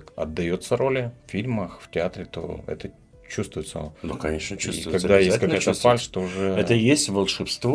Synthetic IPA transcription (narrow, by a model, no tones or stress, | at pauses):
ɐ̰d̪ːɐjot̪səɾo̞lʲɪffʲilʲməxftʲɪat̪ɾʲɪt̪o̰ɛ̰t̪ə | t͡ɕust̪vʊjɪt̪sə̰d̪okɐɲʲeʂnət͡ɕuvkɐɡd̪ajekɡ̪at̪əfalʲst̪oʊʐɛɛt̪əjesʲtʲvəlˠʂɨfst̪vo